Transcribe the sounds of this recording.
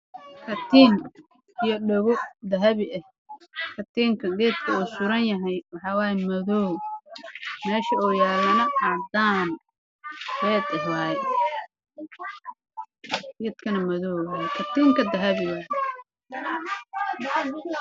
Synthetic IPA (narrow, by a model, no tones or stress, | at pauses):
kʰɐt̪ʰiːn | ijɔɖɔɣʊd̪ɐɦɐβɪʔɐh | kʰɐt̪ʰiːŋkʰɐɡɛːd̪̚kʰɐuːsʊɾɐnjɐɦɐjwɑħɑːwaːjɛmɐðɔː | mɛːʃɐuːjaːlɐnɐʔɑd̪aːn | ɡɛːd̪ɐhwaːjɛ | ɡiːd̪kʰɐnɐmɐðɔːwaːjɛkʰɐt̪iːŋkʰɐd̪ɐɦɐβɪwɐ